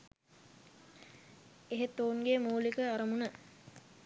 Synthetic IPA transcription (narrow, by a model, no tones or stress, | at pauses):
eɦet̪ːoːuŋɡemuːlikəaɾəmunə